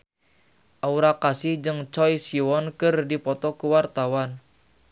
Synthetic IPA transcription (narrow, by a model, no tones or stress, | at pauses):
ʔauɾakasihd͡ʒɨŋt͡ʃɔjsiwɔnkɨrdipɔt̪ɔkuwart̪awan